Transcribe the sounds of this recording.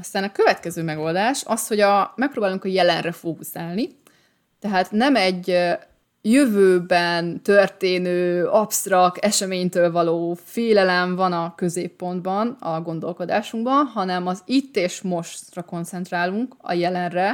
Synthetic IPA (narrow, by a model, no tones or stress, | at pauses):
ɒst̪aːnɒkø̞vɛt̪kɛzøːmɛɡo̞ld̪aːʃɒsho̞ɟɒmɛk̚proːbaːluŋkɒjɛlɛnrɛfokusaːlni | t̪ɛɦaːt̪nɛmɛɟ | jøvøːbɛnt̪ørt̪eːnøːɒpst̪rɒk̚t̪ɛʃɛmeːɲt̪øːlvɒloːfeːlɛlɛɱvɒnɒkøzeːpːo̞nd̪bɒnɒɡo̞nd̪o̞̰lko̞d̪aːʃuŋɡbɒnɦɒnɛmɒzit̪ːeːʃmo̞ʃt̪rɒko̞nt̪sɛnt̪raːluŋkɒ̰jɛlɛnrɛ